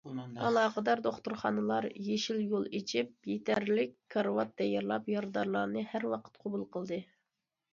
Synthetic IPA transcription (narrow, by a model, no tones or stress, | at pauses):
ɑlˠɑːqəd̪ɑɾd̪oχt̪uɾχɑnɨlˠɑɾjeʃiljolˠit͡ʃʰip̚jet̪ʰæɾlɪk̚ʲkʰɑɾwɑt̪̚ːɛjɛɾlˠɑpjɑɾd̪ɑɾlˠɑɾnɨhæɾwɑqʰə̥t̪qʰobulˠqʰəlˠd̪ɨ